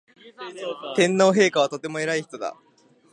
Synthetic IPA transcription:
t̪ẽ̞nːo̞ːɦe̞ːkaβ̞at̪o̞t̪e̞mo̞e̞ɾaiçi̥t̪o̞d̪a̰

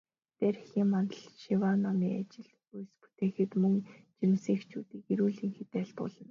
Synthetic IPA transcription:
t̪æɾxiːŋmant̪ə̆ɮʃiwanːɔmiːa̰t͡ɕɪ̆ɮ | ujspu̥t̪eːxɘ̆t̪mɵŋt͡ɕiɾɪ̆msiːxt͡ɕʰuːt̪iːkiɾuːɮiːŋxet̪eːɬt̪ʊ̰ɮə̆n

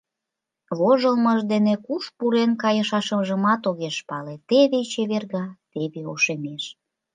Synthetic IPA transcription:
βoʒəlməʒd̪enekuʃpuɾenkɑjəʃɑʃə̆mʒəmɑt̪oɣeʃpɑlet̪eβet͡ɕeβerɣɑt̪eβeo̰ʃemeʃ

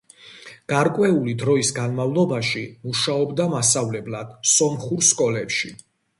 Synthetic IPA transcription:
ɡ̥aɾkʼwɛulid̪ɾɔisɡanmavlˠɔbaʃimuʃaɔbd̪amasavlɛblˠad̪̥sɔmχuɾskʼɔlɛpʃi

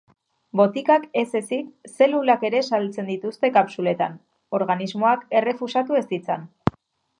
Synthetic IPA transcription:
bo̞t̪ikake̞se̞sikse̞lulake̞ɾe̞salt͡se̞nd̪it̪ust̪e̞kapsule̞t̪an | o̞ɾɣanizmo̞ake̞re̞fusat̪ue̞st̪it͡sa̰n

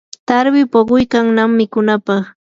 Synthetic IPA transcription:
t̪aɾwɪpoɢʊjkaŋnamːɪkʊnapɑχ

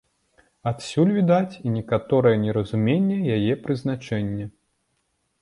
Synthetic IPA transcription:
at̪sʲulʲvʲid̪at͡sʲinʲɛkat̪ɔɾɨjɛnʲɛɾɐzumʲenʲːɛjajɛpɾɨzn̪at͡ʂɛnʲːɛ

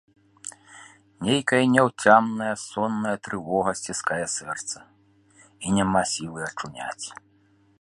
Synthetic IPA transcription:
nʲejkɐjɐnʲɛwt͡sʲamnɐjɐsɔnːɐjɐt̪ɾɨvɔɣɐsʲt͡sʲiskajɐsɛrt̪sɐ | inʲɛmasʲilˠɨɐt͡ʂunʲa̰t͡sʲ

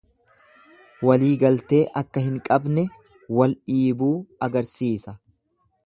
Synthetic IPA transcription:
wɐliːɡɐlt̪e̞ːʔɐkːɐhɪŋkʼɐbnɛ | wɐlᶑiːbuːɐɡɐɾsiːsɐ

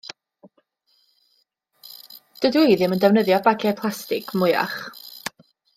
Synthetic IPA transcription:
d̥ədwejðɪməndɛvnəðjɔbaɡʰɛpʰlˠastɪɡ̥mʊja̰χ

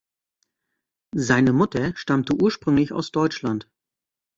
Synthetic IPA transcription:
zaɪnəmʊtɐʃtamtəʔuːɐʃpʁ̥ʏŋlɪça̰ʊsd̥ɔʏt͡ʃlant

